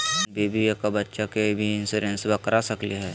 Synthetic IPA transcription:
beːbijakabɐtːʃakebʱiɪnseɾẽnsbɐkɾasɐkliɦɛː

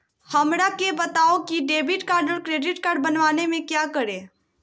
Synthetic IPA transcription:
hɐmɾakebɐt̪aːokiɖeːbɪʈkaːɾɖəlkɾeːɖɪʈkaːɾɖ̚bɐnʋaːnemẽkjaːkəɾẽː

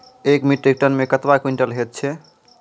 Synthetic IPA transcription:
ekmiʈɾik̚ʈənmekət̪bakwiɳʈəlɦet̪̚t͡ʃʰɛ

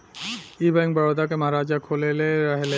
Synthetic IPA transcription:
ibɛ̃ŋk̚bəɾod̪akeməɦaɾaːd͡ʒakʰoleleɾəɦele

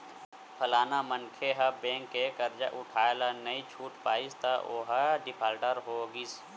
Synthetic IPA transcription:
pʰəlaːnamənkʰeɦɐbẽːŋkːekəɾd͡ʒa̰ʔʊʈʰaːelanɐĩt͡ʃʰuːʈpaːist̪aoɦaɖɪpʰaːlʈəɾɦoːɡis

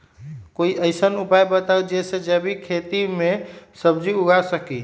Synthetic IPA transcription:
koiəɪsənupajbət̪awd͡ʒesed͡ʒəbʱikʰet̪imesəbd͡ʒiuɡasəki

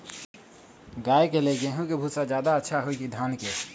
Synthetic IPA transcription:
ɡajkeleɡẽɦũkebʱusad͡ʒjaːd̪aətːʃʰaɦoikid̪ʱanke

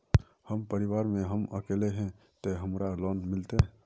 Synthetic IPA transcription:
həmpəɾɪwaːɾmẽɦəməkeːleɦɛ̃ | t̪eɦəmɾalɔːnmɪlt̪ẽ

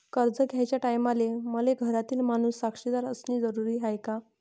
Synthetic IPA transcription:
kəɾd͡zəɡʱjajt͡ɕjaʈajmaleməleɡʱəɾat̪iːlmanuːsːakʂid̪aɾəsniːd͡zəɾuɾiːɦajka

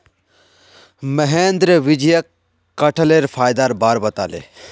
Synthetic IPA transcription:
məɦeːnd̪ɾəʋɪd͡ʒjɐkː | ɐʈʰəleːɾpʰaːjd̪aːɾbaːɾbɐt̪a̰ːlḛː

